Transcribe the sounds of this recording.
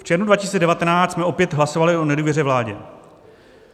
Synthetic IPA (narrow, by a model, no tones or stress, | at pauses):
ft͡ʃɛɾnudvacisiːt͡sɛdɛvat̪ɛnaːtsmɛʔo̞pjɛt̪ɦlaso̞valɪo̞nɛduːvjɛrɛːvlaːɟɛ̰